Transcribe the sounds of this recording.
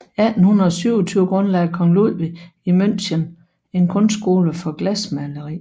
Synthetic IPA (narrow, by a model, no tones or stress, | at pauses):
æd̥n̩hunɐð̩ˠɒsyʊɒt͡sʰyːʊəɡ̥ʁɔ̽nlɛɪkʰɒ̽ŋluð̰ˠʋiimøn̰ɕən | e̝nkʰɔ̽nsɡ̥o̝ːləfɒ̽ɡ̥læsmæləʁḭː